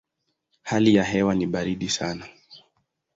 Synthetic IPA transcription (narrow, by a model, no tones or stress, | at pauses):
halijaɦɛwaniɓaɾiɗisana